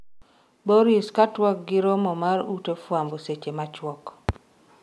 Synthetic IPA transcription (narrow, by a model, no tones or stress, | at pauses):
boɾiskatwɔk̚ɡɪɾomɔmaɾutefwamboset͡ʃemat͡ʃwɔk